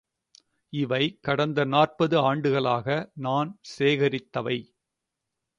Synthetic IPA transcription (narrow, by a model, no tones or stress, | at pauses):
ɪʋɐɪkɐɽɐnd̪ɐnaːrpɐðɯaːɳɖɯɣɐɭaːɣɐnaːnseːɣɐɾɪt̪ːɐʋɐɪ